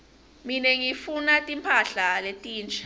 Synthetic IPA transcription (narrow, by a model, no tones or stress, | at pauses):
minɛŋifunatʼimpʰaɬaletʼiːnt͡ʃʰʼḁ